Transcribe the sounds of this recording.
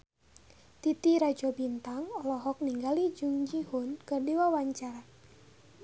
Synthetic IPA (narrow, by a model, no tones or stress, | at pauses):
t̪it̪iɾad͡ʒɔbint̪aŋɔlɔɦɔk̚niŋɡalid͡ʒuŋd͡ʒihʊnkɨrdiwawaɲt͡ʃaɾa